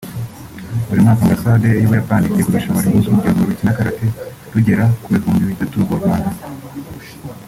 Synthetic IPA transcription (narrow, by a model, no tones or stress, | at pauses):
buɾimŋaːkambasaːdejoβajapaːnikeɡuɾuʃaβaɾihuzuɟaŋoɾucinakaɾate | ɾuɟe̞ɾakuβekuːndiβitatuɡoɾɡwaːnda